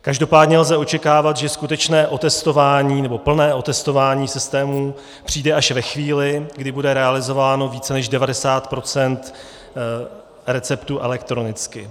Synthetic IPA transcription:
kaʒdo̞paːdɲɛlzɛo̞t͡ʃɛkaːvat̪ʒɛskut̪ɛt͡ʃnɛːʔo̞t̪ɛst̪o̞vaːɲiːnɛbo̞pl̩nɛːʔo̞t̪ɛst̪o̞vaːɲiːsɪst̪ɛːmu | pr̝̥iːdɛʔaʃvɛxviːlɪɡdɪbudɛɾɛalɪzo̞vaːno̞viːt͡sɛnɛʒdɛvadɛsaːt̪pɾo̞t͡sɛnt̪ | ɾɛt͡sɛpt̪uːʔɛlɛkt̪ɾo̞nɪt͡skɪ

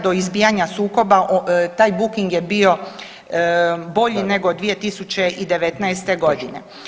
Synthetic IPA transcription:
d̪o̞izbiːjaɲasuːko̞baʔt̪aːjbukiŋɡje̞bio̞ | bo̞ʎine̞ɡod̪ʋije̞t̪isut͡ɕe̞ʔid̪e̞ʋet̪naest̪e̞ɡo̞d̪ine̞̰

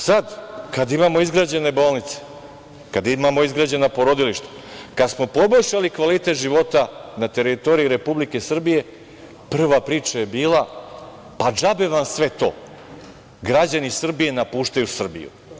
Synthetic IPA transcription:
sad̪kad̪imamo̞izɡɾad͡ʑe̞ne̞bo̞ːlˠnit̪se̥ | kad̪imamo̞izɡɾad͡ʑe̞napo̞ɾo̞d̪iliʃt̪ḁ | kad̪smo̞po̞bo̞ʎʲʃalikʋalit̪e̞t̪ʒiʋo̞t̪anat̪e̞ɾit̪o̞ɾijiɾe̞publike̞sr̩bije̞ | pr̩ʋapɾiːt͡ʃaje̞biːlˠa | pad͡ʒabe̞ʋamsʋe̞t̪o̞̰ː | ɡɾad͡ʑanisr̩bije̞napuːʃt̪ajusr̩bḭjṵ

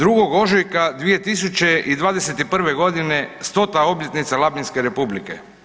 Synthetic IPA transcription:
d̪ɾuɡo̞ɡo̞ʒojkad̪ʋije̞t̪is̬ut͡ɕe̞ʔid̪ʋaːd̪ese̞t̪ipr̩ʋe̞ɡo̞d̪ine̞st̪o̞t̪ao̞bjet̪nit̪salˠabinskeɾe̞publike̞̰

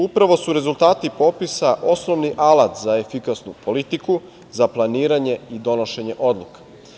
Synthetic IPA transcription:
upɾaʋo̞suɾe̞zulˠt̪aːt̪ipo̞pisaʔo̞sno̞ʋniʔalˠat̪zaefikasnupo̞lit̪iku | zaplˠaniːɾaɲe̞id̪o̞noʃe̞ɲe̞ʔo̞d̪lˠukḁ

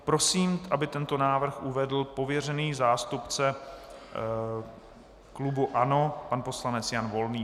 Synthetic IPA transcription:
pɾo̞siːmʔabɪt̪ɛnt̪o̞naːvr̩xʔuvɛdl̩po̞vjɛr̝ɛniːzaːst̪upt͡sɛ | klubuʔano̞panpo̞slanɛt͡sjanvo̞lniː

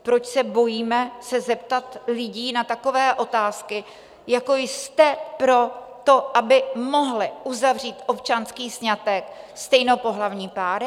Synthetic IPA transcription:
pɾo̞t͡ʃsɛbo̞jiːmɛsɛzɛp̚t̪at̪lɪɟiːnat̪ako̞vɛːʔo̞t̪aːskɪ | jako̞jst̪ɛpɾo̞t̪o̞ʔabɪmo̞ɦlɪʔuzavriːt̪ʔo̞pt͡ʃanskiːsɲat̪ɛkst̪ɛjnopo̞ɦlavɲiːpaːɾ

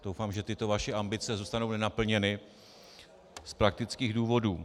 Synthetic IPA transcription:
d̥o̞wfaːmʒɛt̪ɪt̪o̞vaʃɛʔambɪt͡sɛzuːst̪ano̞wnɛnapl̩ɲɛnɪ | spɾak̚t̪ɪt͡skiːɣduːvo̞duː

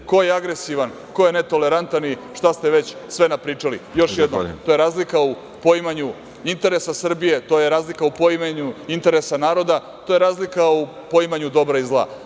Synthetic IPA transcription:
ko̞jeaɡɾe̞siʋan | ko̞jene̞t̪o̞le̞ɾant̪aniʃt̪ast̪eʋe̞t͡ɕsʋenapɾiːt͡ʂalḭjo̞ʃjed̪not̪o̞je̞ɾaːzlikau | po̞imaɲu | int̪e̞ɾesasr̩bije̞t̪ojeɾaːzlikaupoimeɲuint̪e̞ɾesanaːɾo̞d̪a | t̪oje̞ɾaːzlikau | poimaɲud̪o̞bɾaizlˠa̰

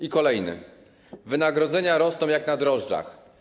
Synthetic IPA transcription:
ikɔlɛjnɘ̰ | vɘnaɡɾɔd̪zɛɲaɾɔsnɔ̃w̃jaknad̪ɾɔʐd͡ʐa̰x

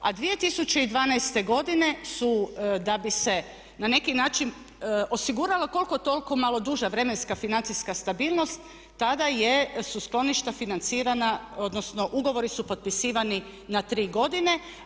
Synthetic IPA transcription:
a̰d̪ʋije̞t̪isut͡ɕe̞id̪ʋaːnajst̪e̞ɡo̞d̪ine̞sud̪abise̞ | nane̞kinaːt͡ʃin | o̞siɡuːɾaleko̞lˠko̞t̪o̞lko̞malˠo̞d̪uʒaʋɾe̞me̞nskafinant̪siskast̪abiːlˠno̞st̪ː | ad̪aje̞susklˠo̞niʃt̪afinant̪siːɾanaod̪nosno̞ʔuɡo̞ʋo̞ɾisupo̞t̪̚pisiːʋani | nat̪ɾiːɡo̞d̪ine̞

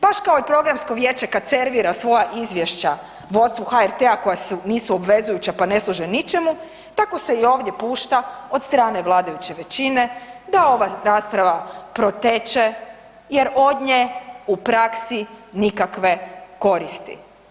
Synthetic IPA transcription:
baʃkao̞ipɾo̞ɡɾamsko̞ʋje̞ːt͡ʃe̞kad̪̚t̪seɾʋiɾasʋo̞jaʔizʋjeʃt͡ɕa | ʋo̞t̪st̪ʋuxaeɾt̪eako̞jasuniːsuo̞bʋe̞zujut͡ɕapane̞slˠuʒenit͡ʃe̞mu | t̪ako̞se̞io̞ːʋd̪je̞puːʃt̪ao̞d̪st̪ɾaːneʋlˠaːd̪ajut͡ɕe̞ʋe̞t͡ɕine̞d̪ao̞ʋaɾaːspɾaʋapɾo̞t̪et͡ʃe̞ | je̞ɾo̞d̪ɲeupɾaksinikakʋe̞ko̞ɾist̪ḭ

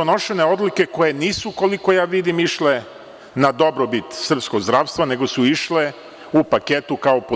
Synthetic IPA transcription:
ono̞ʃe̞neo̞d̪like̞ko̞je̞niːsuko̞liko̞jaːʋid̪imiʃle | nad̪o̞bɾobit̪sr̩psko̞ɡzd̪ɾaːʋst̪ʋane̞ɡo̞suiʃle | upaket̪ukaopo

